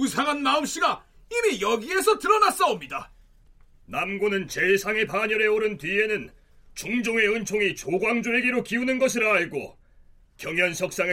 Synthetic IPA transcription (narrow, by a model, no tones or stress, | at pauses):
usʰaŋɦanmaɯmɕ͈iɡaimijʌɡie̞sʰʌtɯɾʌnas͈ʌomɲida | namɡonɯnt͡ɕe̞sʰaŋe̞paɲʌɾe̞oɾɯntɥie̞nɯn | t͡ɕuŋd͡ʑoŋe̞ɯnt͡ɕʰoŋit͡ɕoɡwaŋd͡ʑoeɡiɾokiunɯnɡʌɕʰiɾaːɭɡo̰ | kjʌŋjʌnɕʰʌk̚s͈aŋe